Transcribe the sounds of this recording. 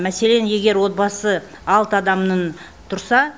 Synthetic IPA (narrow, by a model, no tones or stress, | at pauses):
mæse̞le̞nje̞ɡʲe̞ɾwo̞t̪̚bɑsə | ɑlˠt̪əɑd̪ɑmnən | t̪ʰʊɾsɑ